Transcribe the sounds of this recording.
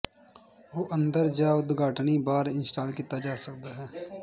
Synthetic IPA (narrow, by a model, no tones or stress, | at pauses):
oːʔə̃nd̪əɾd͡ʒaːʊd̪ɡaːʈnibaːɾɪnsʈaːlkit̪ad͡ʒaːsək̚d̪aɦɛː